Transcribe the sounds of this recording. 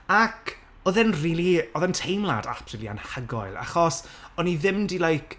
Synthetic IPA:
akʰ | ɔðɛnriːlˠiɔðɛntʰejmlˠa̰da̰prilia̰nhaɡɔjlˠa̰χɔsɔniðɪmdilajk

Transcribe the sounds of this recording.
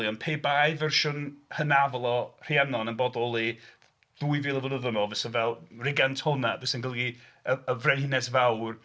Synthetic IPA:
ljɔnpʰeːbajvɛrʃʊnhənavlˠɔr̥ianɔnənbɔbɔlˠi | ð̥uːɨviːlˠəvənəðənɔvəsənvɛlˠrɪɡantʰɔnavəsənɡəlˠɡiəəvrɛnhɪnɛsvawr

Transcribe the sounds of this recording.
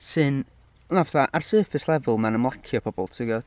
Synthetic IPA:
sɨn | navθaʔarsɜːfɪslˠɛvʊlˠmanəmlˠakʰjɔpʰɔbɔ̰lˠtʰɪɡɔ

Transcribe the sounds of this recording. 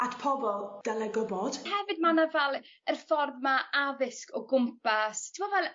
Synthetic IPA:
atpʰɔbɔlˠd̥ɛlɛɡɔbɔd̥hɛvɨd̚manavɛlˠ | ərfɔrmaaðɪskɔɡʊmpastʰɪmɔvɛlˠ

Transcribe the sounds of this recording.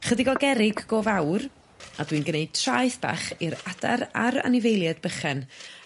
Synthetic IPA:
χədɪɡɔɡɛɾɪɡːoːvawr | adwinɡəneɨd̚tʰraːjθb̥a̰χɪɾada̰ɾaɾa̰nɪvejlˠjɛdbəχɛn

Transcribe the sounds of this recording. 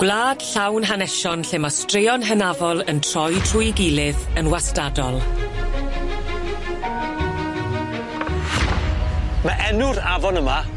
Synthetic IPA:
ɡ̥wlaːd̥ɬawnɦanɛʃɔnɬɪmastreɔnɦənavɔlˠəntʰr̥ɔjtʰrʊjɡɪlɪðənwastadɔlˠ | maʔɛnʊɾavɔnəma

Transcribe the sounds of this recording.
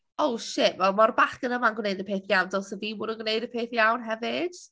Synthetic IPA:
owʃɪʔvɛlˠmɔrbaχənəmanɡwneɨdəpʰeːθjawndɔlˠsəviːwʊdənɡwneɨdəpʰeːθjawnɦɛvɪd̥

